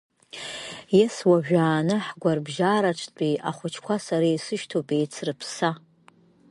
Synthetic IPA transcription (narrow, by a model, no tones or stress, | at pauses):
jɛswaʒᶣaːnɨħɡʷarbʒaːɾaʈ͡ʂʰtʼiaχʷʊt͡ʃʰkʷasaɾijsɨʃtʰopʼejt͡sʰrɨpʰsa